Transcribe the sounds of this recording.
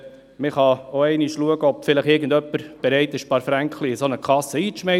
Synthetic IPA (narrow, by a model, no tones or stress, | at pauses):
mɪχɑoɛɪniʃluəɡəɔpfɪləχɪɾɡən̩dœpːəɾb̥eɾɛɪt̪ɪʃpɑːɾfɾæŋkχliɪsonəkʰɑsːəiːt͡sʃmɛ